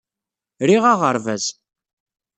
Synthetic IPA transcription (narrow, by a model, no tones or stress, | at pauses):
ɾiʁaʁəɾvæz